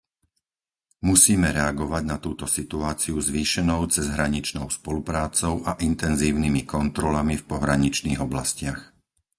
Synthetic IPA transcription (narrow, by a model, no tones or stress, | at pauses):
musiːmɛɾɛaɡɔʋaɟnat̪uːt̪ɔsit̪uaːt͡siuzʋiːʃɛnɔʊt͡sɛzɦɾaɲit͡ʃnɔʊspɔlupɾaːt͡sɔʊʔaʔint̪ɛnziːʊnimikɔnt̪ɾɔlamifpɔɦɾaɲit͡ʃniːɣɔblascɪax